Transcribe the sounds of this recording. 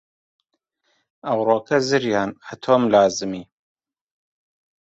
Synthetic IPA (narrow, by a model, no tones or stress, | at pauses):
ɐwɾoːkʰɐzɨɾjaːnat̪ʰoːmlaːzɨmiː